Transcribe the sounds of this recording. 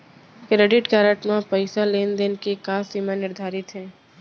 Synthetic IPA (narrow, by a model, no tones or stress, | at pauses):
kɾeːɖɪʈkaːɾəʈmãpəɪsaleːnd̪enkekaːsiːmanɪɾd̪ʱaːɾɪt̪ɦɛ̃ː